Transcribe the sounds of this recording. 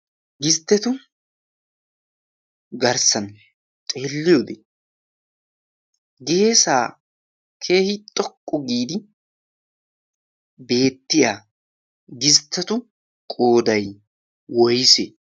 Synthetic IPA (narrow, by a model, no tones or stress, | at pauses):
ɡɪst̪ːɛt̪ʊ | ɡɐɾsɐn | t̪ʼeːlːɪjoːd̪e | ɡe̞ːsaː | kʰe̞ːhɪt̪ʼɔkʼːɔɡiːd̪ɪ | be̞ːt̪ːɪjaː | ɡɪst̪ːɐt̪ʊ | kʼoːd̪ɐj | wɔjse